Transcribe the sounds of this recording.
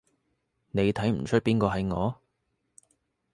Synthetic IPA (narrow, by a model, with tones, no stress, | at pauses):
ne˨˧jt̪ʰɐ˨˥jm̩˨˩t͡ʃʰɵ˥t̚piː˥nkɔː˧ɦɐ˨jŋɔː˨˧